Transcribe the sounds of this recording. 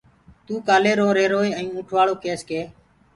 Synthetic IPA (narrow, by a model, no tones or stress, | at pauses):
t̪uːkaːleːɾõːɾeːɾoːeːə̃ĩːʊ̃ʈʰʋaːɭoːkeːskeː